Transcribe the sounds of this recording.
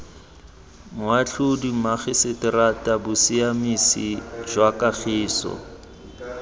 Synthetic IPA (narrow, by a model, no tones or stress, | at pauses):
mʊaɬʰʊdimaχɪsɪtɪratʼabʊsiamisḭʒwakaχʰɪːsɔ̰